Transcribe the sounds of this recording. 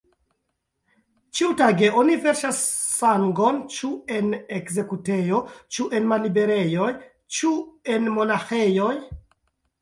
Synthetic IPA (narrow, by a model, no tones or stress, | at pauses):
t͡ʃiutaɡe̞o̞nive̞ɾʃasːaŋɡo̞nt͡ʃue̞nekze̞kute̞jo̞t͡ʃuʔe̞nmalibe̞ɾe̞jo̞j | t͡ʃue̞nmo̞naxe̞jo̞j